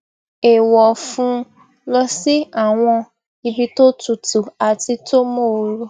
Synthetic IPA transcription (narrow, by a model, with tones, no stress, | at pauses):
e˨wɔ˨fũ˧˦ | lɔ˧si˦a˦˨w̃ɔ̃˧ | i˧bi˧to˦tu˨tu˨a˨ti˧to˦mo˦˧ɾo˧